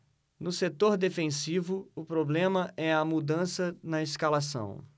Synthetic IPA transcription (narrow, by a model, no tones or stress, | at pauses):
nʊset̪oɾd̪efẽsivʊʊpɾoblẽmɐʔɛɐmud̪ɐ̃sɐnɐeskalasɐ̰̃w̃